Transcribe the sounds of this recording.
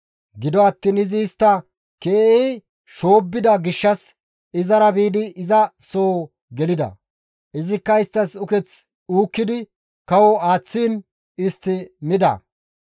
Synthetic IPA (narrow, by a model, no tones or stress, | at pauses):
ɡɪd̪ɔɐt̪ːiːnɪzɪːst̪ːɐ | keːɛj | ʃo̞ːbːɪd̪ɐɡɪʃːɐs | ɪzɐɾɐbiːd̪ɪːzɐsoː | ɡɛlɪd̪ɐ̰ | ʔɪzɪkːɐɪst̪ːɐsʊkɛt͡s | uːkːɪd̪ɪ | kɐwɔaːt͡sːiːn | ɪst̪ːɪmɪd̪ɐ̰